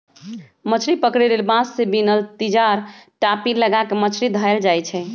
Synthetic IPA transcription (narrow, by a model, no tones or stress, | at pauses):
mət͡ʃʰɾipəkɾelelbãsːebinəlt̪id͡ʒaɾʈapiləɡakemət͡ʃʰɾid̪ʱaeld͡ʒajt͡ʃʰɛ